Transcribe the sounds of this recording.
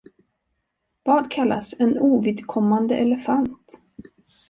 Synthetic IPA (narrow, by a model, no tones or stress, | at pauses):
vɑːɖ̪kʰalːa̰sɛnuːvɪd̪kʰɔmːand̪əʔɛləfant̪